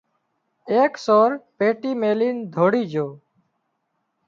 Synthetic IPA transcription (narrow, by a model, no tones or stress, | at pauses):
eːksoːɾpeːʈiːmeːliːnd̪ʱoːɽiːd͡ʒoː